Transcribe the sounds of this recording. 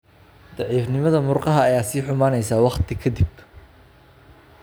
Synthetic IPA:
d̪̥ɑʕiːfnɪmɐðɐmʊrqɑɦɐɐjaːsiːħʊmaːnɛjsaːwɑqt̪ʰɪkʰɐd̪ɪb̚

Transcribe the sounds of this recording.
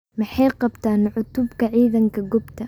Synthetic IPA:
mɪħajqɑbt̪aːnʕʊt̪ʊbkɐʕiːðɐŋkɐɡʊbt̪ʰa

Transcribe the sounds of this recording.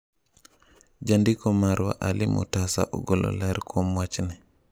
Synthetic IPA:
d͡ʒandikɔmaɾwa̰ʔalimʔṵtasa̰ʔɔɡɔlɔ̰lɛɾkʰɔmwat͡ʃnɛ

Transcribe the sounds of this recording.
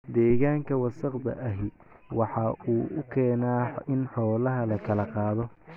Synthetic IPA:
d̪ɛːɣaːŋkʰɐwɑsɐqdɐ̰ʔɐɦɪ | wɑħɑuːʊkʰɛːnaːɪnħɔːlɐɦɐlɐkʰɐlɐqɑːðɔ

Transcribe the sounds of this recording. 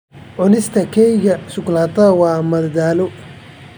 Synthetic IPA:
ʕʊnɪst̪ʰɐkʰɛjɣɐsʊklaːt̪ʰɐwɑːmɐðdaːlɔ

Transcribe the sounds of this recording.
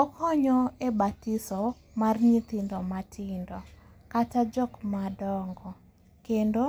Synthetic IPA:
ɔkʰɔɲɔebatisɔ | marɲit̪ɪndɔmatʰɪndɔ | katad͡ʒɔkmadɔŋɡɔ | kendo

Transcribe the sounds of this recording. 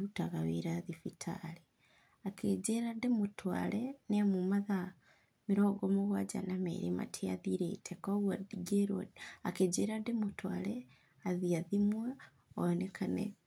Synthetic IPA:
utaɣaweɾaðifitʰa̰li | akʰed͡ʒeɾademotʰwa̰lɛnemumaða | miɾɔɡɔmoɣwad͡ʒa̰namḛɾḛma̰tʰea̰ðiɾḛtʰekoɣwadiɡeɾaaked͡ʒeɾademotʰwa̰lɛ | aðiaðimwa | oɔnekʰanɛ̰

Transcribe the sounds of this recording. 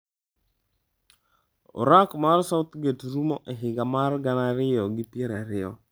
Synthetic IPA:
o̰ɾakmarsaʊt̪ɡetɾumɔʔeɦɪɡamarɡanaɾɪɔɡɪpjeɾaɾɪɔ̰

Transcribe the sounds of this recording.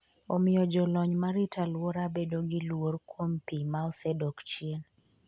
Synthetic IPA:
omɪɔd͡ʒɔlɔɲmaɾɪtʰalwoɾabedoɡɪlworkwompimaɔsɛdɔkt͡ʃien

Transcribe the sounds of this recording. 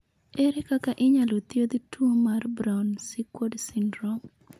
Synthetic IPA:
eɾekakaʔɪɲalot̪jod̪tʰuomarbɾawnsɪkwodsɪndɾom

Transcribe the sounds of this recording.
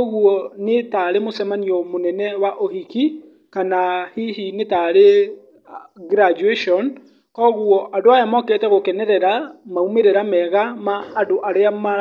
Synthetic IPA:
ɔɣuɔnetaɾemosɛmaniɔmonɛnɛwaʔohiki | kanahiɦinetaɾe | ɡɾad͡ʒuɛʃɔn | kɔɣuɔʔadoajamɔketɛɣokɛnɛɾɛɾamaumeɾeɾamɛɣamaːdoʔaɾeama

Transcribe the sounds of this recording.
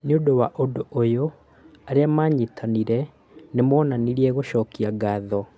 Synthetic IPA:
niondowaʔodoʔojo | aɾeamaːɲetʰaniɾɛ | nemɔːnaniɾiɛɣoʃɔːkiaɡaːðɔ

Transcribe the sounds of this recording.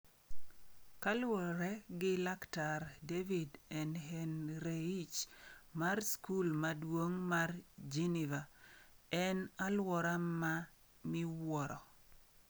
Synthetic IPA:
kalwɔɾɛɡɪlaktaɾdevidɛnhenɾeit͡ʃmarskulmadwoŋmard͡ʒeniva | ɛnalwɔɾama | mɪwɔɾɔ

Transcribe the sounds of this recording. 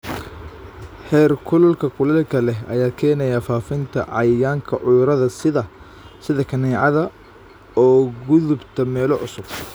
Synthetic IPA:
ħɛːrkʰʊlɐlkʰɐkʰʊlɐkʰɐlɛɐ̰jaːkʰɛːnɛjaːfaːfɪnt̪ʰɐ̰ʕɑjjaːŋkʰɐʕʊjʊɾɐðɐsɪðɐ | sɪðɐkʰɐnɛːʕɑðɐ | ɔːɡʊðʊbt̪ʰɐmɛːlɔʕʊsʊb̚

